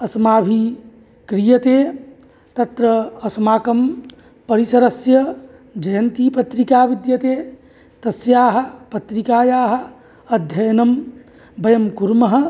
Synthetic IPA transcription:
ɐsmaːbʱi | kɾijɐt̪eː | t̪ɐt̪ɾɐːsmaːkɐm | pɐɾisɐɾɐsjɐ | d͡ʒɐjɐnt̪ipɐt̪ɾikaːʋid̪jɐt̪eː | t̪ɐsjaːɦɐ̆pɐt̪ɾikaːjaːɦɐ̆ | ɐd̪ʱjɐjnɐm | bɐjɐmkuɾmɐɦɐ̆

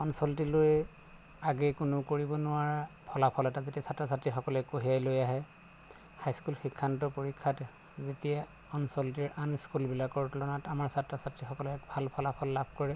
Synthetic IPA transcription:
ɔnsɔltiloj | aɡɛkʊnʊkoɹibɔnʊwaɹpʰɔlapʰɔlɛtazetiasatːɹasatɹixɔkɔlɛkoɦijajlojaɦɛ | hajskulxikʰːantɔpoɹikʰːatɛ | zetija | ɔnsɔlt̬iɹʔaniskulbilakɔɹtlɔnatamaɹsatɹasatɹixɔkɔlɛkbʱalpʰɔlapʰɔlːabʱkɔɹɛ

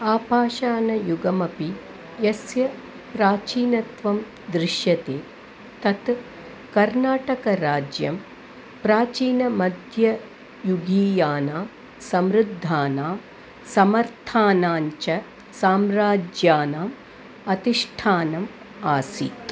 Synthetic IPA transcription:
aːpaːʃaːnɐjuɡɐmɐpi | jɐsjɐ | pɾaːt͡ʃiːnɐt̪ʋɐm | d̪ɾɪʃjɐt̪eː | t̪ɐt̪ | kɐɾnaːʈɐkɐɾaːd͡ʒjɐm | pɾaːt͡ʃiːnɐmɐd̪ʱjɐ | juɡiːjaːnaː | sɐmɾud̪ʱːaːnaː | sɐmɐɾt̪ʰaːnaːɲt͡ʃɐ | saːmɾaːd͡ʒjaːnaːm | ɐt̪iʂʈʰaːnɐm | aːsit̪

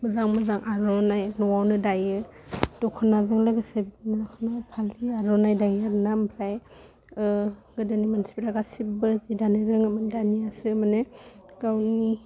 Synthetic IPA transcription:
mɯzaŋmɯzaŋʔaɾɔnajnɔwawnɯdajɯdɔkʰɯnazɯŋlaɡɯsebitnaakʰnapʰaliaɾɔnajdajaɾnambʰɾaj | ɯɡɯdɯnimansi̥bɾaɡasibɯzidanɯɾɯŋamɯndaniasɯmaneɡawni

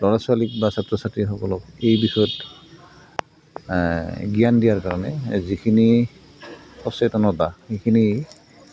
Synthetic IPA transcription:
lɔɹasualik̚basatɹɔsatɹixɔkɔlɔkejbixɔjɔt | ɡiandijaɹkaɹɔnɛ̰zikʰini | sɔsɛtɔnɔdaxejkʰini

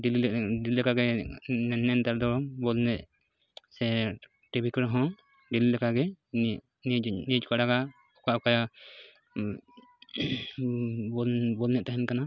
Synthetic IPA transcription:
ɖiliɖililɛkaɡɛnɛnːɛnt̪aɾd̪ɔbɔlnɛʔ | sɛ | ʈebikɾɔɦɔ̃ | ɖililɛkaɡɛ | ninid͡ʒkaɽaɡa | ɔkaʔɔkaja | bɔbɔlnɛʔt̪aɦɛnkana

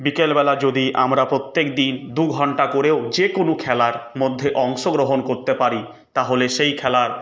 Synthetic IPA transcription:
bikelbɛlad͡ʑod̪iʔamɾapɾot̪ːekd̪ind̪uɡʱɔɳʈakoɾeod͡ʑekonokʰɛlaɾmod̪ʱːeʔɔŋʃoɡɾoɦonkoɾt̪epaɾi | t̪aɦoleʃejkʰɛlaɾ

